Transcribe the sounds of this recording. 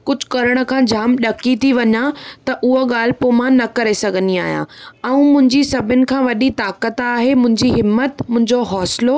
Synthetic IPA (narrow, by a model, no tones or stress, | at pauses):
kʊd͡ʑʱkɐɾəɽ̃ə̆kʰãːd͡ʑʱaːmɗɐkit̪ʰiʋɐɲãt̪ɐʔʊɦoɠaːl̤ɪpoːmãnɐkɐɾesɐɡʱənia̰ːɦjã̰ːɛ̃ũmʊ̃ɦɪ̃ɲd͡ʑisɐbʱɪnɪ̆kʰãːʋɐɗit̪aːkət̪aːɦemʊ̃ɦɪ̃ɲd͡ʑiɦɪmːət̪mʊ̃ɦɪ̃ɲd͡ʑoɦɔːsɪlo